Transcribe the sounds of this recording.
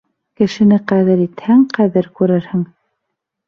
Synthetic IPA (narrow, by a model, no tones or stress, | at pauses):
kɘ̆ʃɘ̆nɘqæðɘɾit̪hæŋqæðɘɾkʉɾɘɾhɘŋ